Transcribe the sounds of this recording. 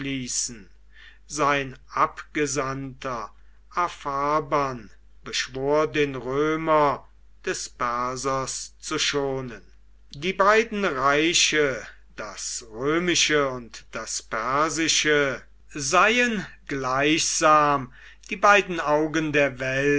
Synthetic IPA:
liːsn̩ | zaɪnʔapɡ̥əzantʰɐ | ʔafaɐban | b̥əʃv̥oːɐdeːnʁøːmɐ | d̥ɛspɛɐzɐst͡suʃoːnən | diːbaɪdn̩ʁaɪʃə | d̥asʁøːmɪʃəʊntd̥aspɛɐzɪʃə | zaɪənɡlaɪçz̥aːm | d̥iːbaɪdn̩aʊɡəndeːɐvɛl

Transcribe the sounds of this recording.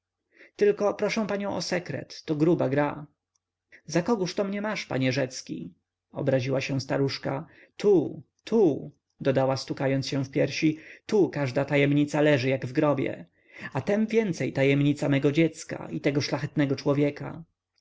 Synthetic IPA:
t̪ɘlkɔpɾɔʂɛ̃w̃paɲɔ̃w̃ʔɔsɛkɾɛ̰t̪ːɔɡɾubaɡɾa | zakɔɡuʂt̪ɔmɲɛmaʂpa̰ɲɛʐɛt̪skʲḭ | ɔ̰bɾaʑiwaɕɛ̃st̪aɾuʂka | t̪ʰu | t̪ʰu | d̪ɔd̪awast̪ukajɔnt̪sɕɛ̃w̃fpʲjɛɾɕit̪ukaʐd̪at̪ajɛmɲit̪salɛʐɘjaɡvɡɾɔbʲjɛ̰ | at̪ɛmvʲjɛnt̪sɛjt̪ajɛmɲit̪samɛɡɔd͡ʑɛt̪ska̰it̪ɛɡɔʂlaxɛt̪nɛɡɔt͡ʂwɔvʲjɛka̰

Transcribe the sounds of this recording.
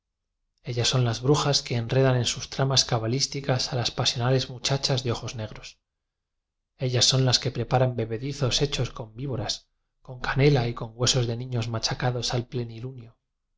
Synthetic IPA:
e̞ʎasːo̞nlazβɾuxaske̞ːnre̞ðanẽ̞nsust̪ɾamaskaβalist̪ikasalaspasjo̞nale̞zmut͡ʃat͡ʃazðe̞o̞xo̞zne̞ɣ̞ɾo̞s | e̞ʎasːo̞nlaske̞pɾe̞paɾambe̞βe̞ðiθo̞se̞t͡ʃo̞sko̞mbiβo̞ɾas | ko̞ŋkane̞laiko̞ŋɡwe̞so̞zðe̞nĩɲo̞zmat͡ʃakaðo̞salple̞nilunjo

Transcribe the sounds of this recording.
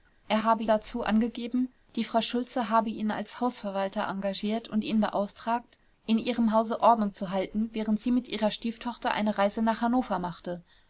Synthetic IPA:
ʔeːɐɦaːbədat͡suːʔa̰nɡəɡeːbm̩ | d̥iːfʁ̥aʊʃʊlt͡səɦaːbəʔiːna̰lshaʊsfɛɐvaltɐʔa̰ŋɡaʒiːɐtʊntʔiːnbəʔaʊftʁ̥aːk̚t | ʔɪnʔiːʁəmɦaʊzəʔɔɐdnʊŋt͡suɦaltn̩vɛːʁ̞əntz̥iːmɪtʔiːʁɐʃtiːftʰɔχtɐʔa̰ɪnəʁaɪzənaːχhanoːfɐmaχtə

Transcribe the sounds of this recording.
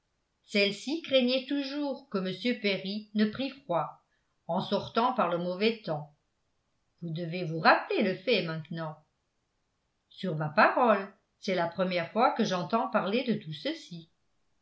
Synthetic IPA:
sɛlsikχeɲɛt̪uʒuːʁkəməsjøpeʁinəpχifχwa | ɑ̃sɔʁt̪ɑ̃paʁləmɔvɛt̪ɑ̃ | vud̪əvevuʁapleləfɛmɛ̃t̪nɑ̃ | syʁmapaʁɔl | sɛlapχəmjɛʁfwakəʒɑ̃t̪ɑ̃paʁled̪ət̪usəsi

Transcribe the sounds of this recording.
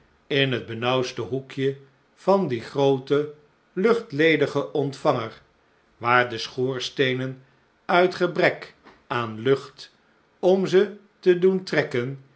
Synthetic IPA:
ɪnɦəd̚bənʌwstəɦukjə | v̥ɑndiχrowtə | lɵχtlejdəχəʔɔntfɑŋəɹ | ʋaːɹdəsχoːɹstejnən | œɥtχəbrɛk | aːnlɵχt | ɔmzə | təduntrɛkən

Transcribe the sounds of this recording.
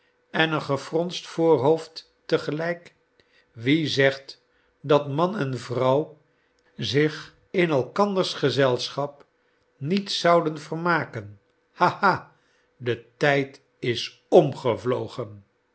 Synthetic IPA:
ɛnənχəfrɔnstfʊːɹɦowftː | əχəlɛjk | ʋizɛχt | dɑtmɑnɛnvrʌw | zɪχ | ɪnɛlˠkɑndəɹsχəzɛlˠsχɑp | nitsɑwdənvərmaːkən | hahaː | dətɛjt | ɪs | ɔmχəvlowχən

